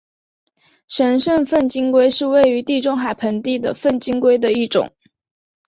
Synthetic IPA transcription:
ʂə˧˥nʂə˥˧nfə˥˩nt͡ɕi˥ŋkwe˥ɪʂɻ̩˥˧we˥˩ɪy˧˥t̪i˥˩ʈ͡ʂʊ˥ŋxa˨˩ɪpʰə˧˥nt̪i˥˩d̪ə̰˩fə˥˩nt͡ɕi˥ŋkwe˥ɪd̪ə˨i˥˩ʈ͡ʂʊ̰˨˩˦ŋ

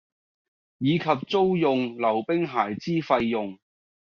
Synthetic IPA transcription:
jiː˨˧kʰɐ˨p̚t͡so˥wjʊ˨ŋlɐ˨˩wpɪ˥ŋɦaː˨˩jt͡siː˥fɐ˧jːʊ˨ŋ

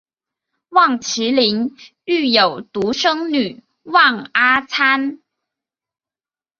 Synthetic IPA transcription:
wɑ˥˩ŋt͡ɕʰi˧˥li˧˥n | y˥˩jo˨˩ʊt̪u˧˥ʂɤ˥ŋny˨˩ | wɑ˥˩ŋa˥t͡sʰa˥n

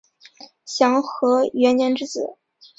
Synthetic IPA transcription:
ɕjɑ˧˥ŋxɤ˧˥ɥɛ˧˥njɛ˧˥nʈ͡ʂɻ̩˥˩t͡sɹ̩˨˩˦

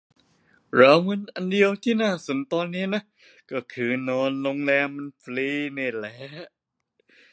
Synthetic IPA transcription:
ɾa˨˦wmɯ˧nʔa˧ndi˧əwt̪ʰiː˥˩naː˥˩so˩˦nt̪ɔː˧nːiː˦˥na˦˥ | kɔː˥˩kʰɯː˧nɔː˧nlo˧ŋlɛː˧mːa˧nfliː˧na˧˩lɛː˦˥˦

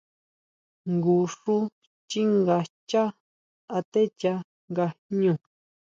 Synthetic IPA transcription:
ŋɡu˧˨ʂu˦ | t͡ʃi˦ŋɡa˧t͡ʃa˦ | a˧t̪e˦t͡ʃa˧ | ŋɡa˧ɲũ˧˨

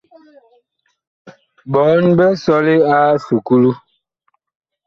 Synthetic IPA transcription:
bɔ˨˦nbɛ˦sɔ˦le˦a˦su˨ku˦lu˦

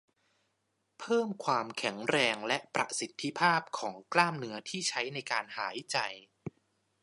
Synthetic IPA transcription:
pʰɤː˥˩mkʰwaː˧mkʰɛ˩˦ŋɾɛː˧ŋlɛ˦˥ʔpɾa̰˨˩si˨˦t̪ʰːi˦˥pʰaː˥˩p̚kʰɔː˩˦ŋklaː˥˩mnɯ˦˥ɐt̪ʰiː˥˩t͡ɕʰa˦˥jna˧jkaː˧nhaː˩˦jt͡ɕa˧j

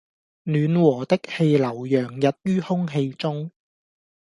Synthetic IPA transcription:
nyː˨˧nwɔː˨˩t̪ɪ˥k̚he˧jlɐ˨˩wjœː˨˩ŋjɐ˨t̚jyː˥hʊ˥ŋɦe˧jt͡sʊ˥ŋ

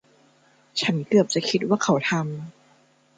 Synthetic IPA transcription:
t͡ɕʰa˦˥nkɯ˨˩əp̚t͡ɕa˨˩kʰi˦˥t̪̬̚waː˥˩kʰa˧˦wt̪ʰa˧m

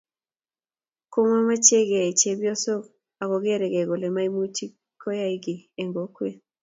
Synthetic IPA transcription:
ko˦ma˦ma˦t͡ʃe˦ɡe˨i˨t͡ʃe˦bjɔ˦so˦k | a˨kɔ˨ɡe˦ɾɛ˨ɡɛ˨ɡo˨le˨ma˦i˦mu˦t͡ʃi˦ | kʰo˦ja˦i˦ɡɪ˨e˨ŋɡo˨˦kwe˦

